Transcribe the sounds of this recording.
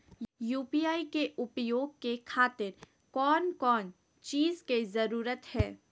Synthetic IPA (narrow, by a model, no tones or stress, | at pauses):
juːpiːjaːikeʔʊpjoːɡ̚kekʰaːt̪ɪɾ | kɔːnkɔːn | t͡ʃiːzkezɐɾuːɾət̪hɛː